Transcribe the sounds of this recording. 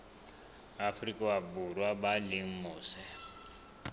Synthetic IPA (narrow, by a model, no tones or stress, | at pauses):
afrikʼawaburwabaliŋ̩muːsɛ